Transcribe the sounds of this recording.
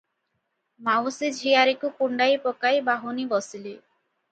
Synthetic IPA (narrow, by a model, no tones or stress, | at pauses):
mawsid͡ʒʱijaɾikukuɳɖajpɔkajbaɦunibɔsili